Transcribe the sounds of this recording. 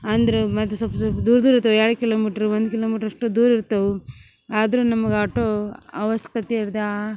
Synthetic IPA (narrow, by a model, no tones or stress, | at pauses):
ɐnd̪ɐɾemɐt̪ːusɐpsɐd̪uːɾɐd̪uːɾiɾt̪ɐʋuɛːɽukilo̞ːmiːʈɐɾuʋond̪ukiloːmiːʈɐɾɐʂʈud̪uːɾiɾt̪ɐʋu | aːd̪ɐɾunɐmɐɡaːʈoɐʋɐskɐt̪iiɾd̪ɐa